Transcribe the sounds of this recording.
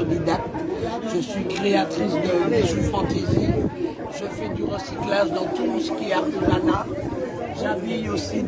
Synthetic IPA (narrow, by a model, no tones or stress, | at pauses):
d̪ed̪ak̚t̪ʒəsɥikχeat̪χisd̪əesifɑ̃t̪ezi | ʒəfɛd̪yʁəsiklaʒd̪ɑ̃t̪usə̥kʲiɛaʁt̪ezana | ʒaviosi